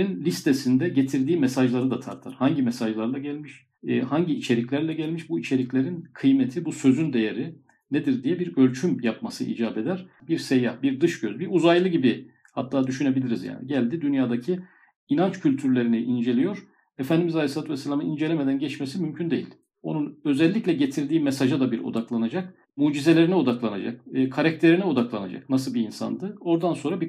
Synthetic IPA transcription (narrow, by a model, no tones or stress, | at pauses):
inlʲist̪ʰesind̪ɛɟet̪ʰiɾd̪iːmɛsaʒlˠaɾɯd̪at̪ʰaɾt̪ʰaɾ̥haɲɟimɛsaʒlˠaɾlˠaɟælʲmiʃ | haɲɟiːt͡ʃʰe̞ɾiclʲæɾlʲɛɟælʲmiʃbuit͡ʃʰe̞ɾiclʲe̞ɾinkʰɯjmet̪ʰibusø̞zynd̪e̞jeɾi | ned̪iɾd̪ijɛbiɾølʲt͡ʃʰymjapmasɯʔḭːd͡ʒaːbe̞d̪æɾ̥biɾsejahbiɾd̪ɯʃɟøzbiuzajlˠɯɟibi | hat̪ʰːaːd̪yʃyne̞bilʲiɾizja̰ːnḭɟælʲd̪id̪ynjaːd̪acʰi | inant͡ʃcʰylʲt̪ʰyɾlʲe̞ɾiniʔind͡ʒe̞lʲijo̞ɾ̥ | efænd̪imizalʲesˠat̪vɛsːalʲamɯnind͡ʒelʲemed̪ænɟɛt͡ʃmesimymcʰynd̪e̞jilʲ | o̞nunø̞zɛlʲːiclʲɛɟet̪ʰiɾd̪iːmesaʒad̪abiɾo̞̰d̪aklˠanad͡ʒak̚ | muːd͡ʒize̞lʲe̞ɾinɛo̞d̪aklˠanad͡ʒak̚ːkʰaɾac̚t̪ʰe̞ɾinɛo̞d̪aklˠana̰d͡ʒa̰knasɯlˠbiːnsa̰nd̪ɯo̞ɾd̪anso̞nɾabi